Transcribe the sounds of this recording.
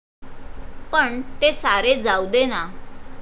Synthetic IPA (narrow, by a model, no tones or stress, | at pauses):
pəɳt̪esaɾed͡zaud̪ena